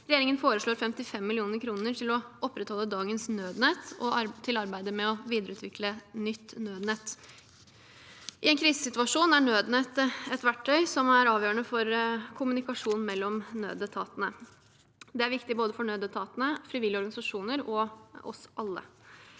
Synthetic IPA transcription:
ɾɛjeːɾɪŋənfoːɾəʂɭoːɾfɛmt̪ɪfɛmːɪlɪuːnəɾkʰɾuːnəɾʈʰɪlɔʔɔpːɾɛt̪hɔlːəd̪ɑːɡənsnøːd̪nɛt̪ːɔt̪ʰɪlɑɾbæɪd̪əmɛɔʋiːd̪əɾəʉːt̪ʋɪklənʏt̪ːnøːd̪nɛt̪ː | ʔɪɛnkʰɾiːsəsɪt̪ʉɑʂuːnæɳøːd̪nɛt̪ɛt̪ʋæʈʰːœʏsɔmæɾɑːʋjøːɾəɳəfɔɾkʰʊmʉnɪkɑʂuːnmɛlːɔmnø̰ːd̪ət̪ʰɑ̰ːt̪ənə | d̪ɛæɾʋɪkt̪ɪboːd̪əfɔɳøːd̪ət̪ʰɑːt̪ənəfɾɪʋɪlːɪɔɾɡɑnɪsɑʂuːnəɾɔɔ̰sɑlːə̰

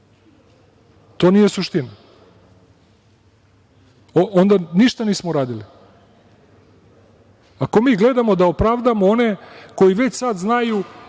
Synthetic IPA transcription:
t̪o̞ːnijesuʃt̪ina | oʔond̪aniʃt̪aniːsmoɾaːd̪ili | ako̞miːɡle̞d̪amo̞d̪aopɾaːʋd̪amooneko̞jiʋe̞t͡ɕsad̪znaju

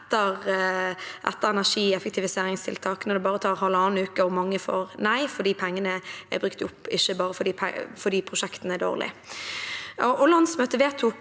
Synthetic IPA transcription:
t̪ːəʁ | ʔɛ̰t̪ːəɾɛnæʂiːɛfək̚t̪ɪʋɪseːɾɪŋst̪ʰɪ̰lt̪ʰɑːknɔd̪ɛbɑːʁət̪ʰɑːɾhɑlːəɑːnn̩ʉːkəɔmɑŋːəfo̰ːɾnæɪfɔd̪iːpʰɛŋːənəæ̰bɾʉk̚t̪ʊpːɪʃːəbɑːɾəfɔdɖiːpʰɛ̰fɔd̪iːpʰʁʊʃɛkt̪n̩əæd̪o̰ːʁlɪ̰ | ɔʔɔlɑnsmøːt̪əʋeːt̪ʰʊ

